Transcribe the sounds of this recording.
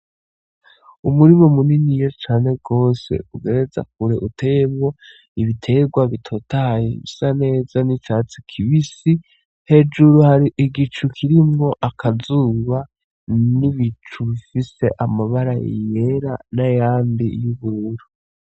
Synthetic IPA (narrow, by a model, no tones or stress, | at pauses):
umuɾimomuninijo̞t͡ʃaːne̞ɡo̞ːse̞̰uɡe̞ɾe̞za̰k̚uɾe̞ʔutʰe̞jemŋo̞ | iβitʰe̞ɡwaβitʰo̞tajeβisane̞ːzanit͡ʃaːt͡sikʰiβisi | he̞d͡ʒuɾuhaɾiʔiɡit͡ʃukʰiɾimŋo̞ʔakʰazuːβa | niβit͡ʃuβifise̞ʔamaβaɾajḭje̞ɾanajaːmbḭjuβuɾuɾu